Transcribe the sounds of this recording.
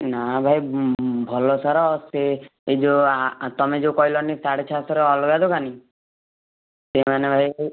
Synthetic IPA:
nabʱajbʱɔlɔsaɾɔseed͡ʒoat̪ɔmed͡ʒekɔɦilɔnisaɽet͡ʃʰasɔɾeɔlɔɡad̪okani | semanebʱaj

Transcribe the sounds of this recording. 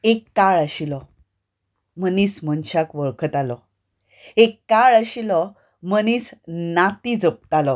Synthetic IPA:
ekːaɭəɕilɔ | məniːsmənɕakʋəɭkʰət̪alɔ | ekːaɭəɕilɔ | məniːsnat̪id͡zəp̚t̪alɔ

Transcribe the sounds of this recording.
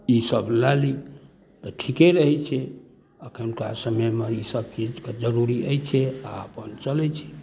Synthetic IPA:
isəblali | t̪ɔʈʰikeɾəɦɛt͡ʃʰɛ | əkʰənkasəməjmeisəb̚t͡ʃid͡ʒked͡ʒəɾuɾiəjt͡ʃʰɛa̰əpənt͡ʃəlɛt͡ʃʰɛ̥

